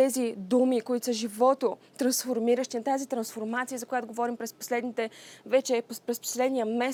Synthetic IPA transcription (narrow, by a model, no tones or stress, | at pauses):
ɛzid̪umikoit̪o̥səʒivɔt̪ot̪ɾɐnsfoɾmiɾəʃt̪inɐt̪azit̪ɾɐnsfoɾmat̪sijəzɐkojat̪oɡovɔɾimpɾɛspo̥slɛd̪nit̪ɛvɛt͡ʃɛppɾɛspo̥slɛd̪nijəmɛ